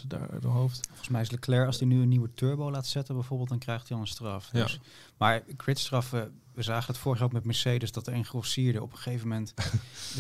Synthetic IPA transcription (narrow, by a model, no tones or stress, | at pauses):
əda̰ːɹa̰dəɦowftfɔχən̩smɛjɪsləklɛɹɑlˠsdinyənːiwətøɹbowlaːtsɛtənbɛjvoːɹbɪːlˠt̚dɑnkrɛjχtiɑlˠənstrɑfdɵs | maːɹkrɪtstrɑfə | ʋəzaːχəndɑtfʊːɹəχjaːoʊkmɛt̚mɛɹsejdəsdɑtəɛnχrɔsɪːɹdəʔɔ̰pχə̥χejvəmɛnt